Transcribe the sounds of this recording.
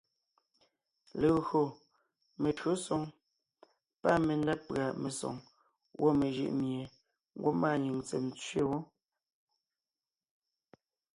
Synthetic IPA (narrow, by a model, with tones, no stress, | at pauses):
le˨ɣo˨ | me˨tɥo˨˦sɔ˨ŋ | pa˦˨me˨n˦da˦pɰa˨me˨sɔ̰˨ŋ | wʔo˦me˨ʒɯ̰˦ʔmje˨ | ŋ˦ɡwo˦maː˦˨ɲi˨ŋt͡sɛ̰˨mt͡sɥe˦wo˦